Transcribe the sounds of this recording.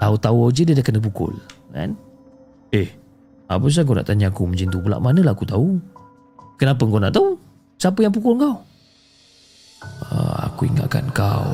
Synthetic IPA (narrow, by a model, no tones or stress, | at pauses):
t̪aut̪auawd͡ʒədidakəndəp̬ukʊ̰lka̰n | eh | a̰pas̬aŋk̬awna̰ʔt̪aɲaakuməd͡ʒint̪ubula̰ʔmanəlaakut̪au | kənap̬əŋkawna̰ʔt̪au | sapəjaŋp̬ukʊlŋkaw | ə̰a̰kuiŋa̰ʔka̰nkaw